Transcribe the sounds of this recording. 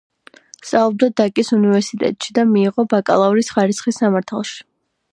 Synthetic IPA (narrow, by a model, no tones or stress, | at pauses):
st̪ʼaɔb̚d̪ad̪akʼisunivɛɾsit̪ʼɛ̰t̪ʼʃid̪amiːʁɔbakʼa̰lˠauɾisχaɾisχisːamaɾt̪ʰalˠʃi̥